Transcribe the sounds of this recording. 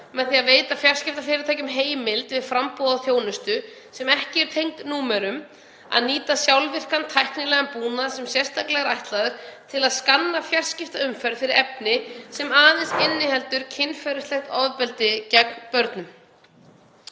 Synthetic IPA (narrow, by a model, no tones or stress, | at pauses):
mɛðθiaðveːjt̪afjar̥scɪft̪afɪːɾɪt̪ʰaːjcʏmɦeːjmɪlt̪vɪðfɾampɔːðaθjoːwnʏst̪ʏ | sɛmɛhcɪɛɾ̥t̪ʰejŋkt̪nuːmɛɾʏm | a̰ðniːt̪asjawlvɪr̥kant̪ʰajhknɪlɛːɣampuːnasɛmsjɛr̥st̪ʰahklɛɣaɾajht̪laðʏɾ̥t̪ʰɪlaðskanːafjar̥scɪft̪aʏmfɛɾðfɪɾɪɾɛpnɪsɛmaːðɪnsɪnːɪhɛlt̪ʏɾ̥cʰɪnːfɛɾɪst̪lɛxt̪ɔðpɛlt̪ɪcɛknpœɾt̪nʏm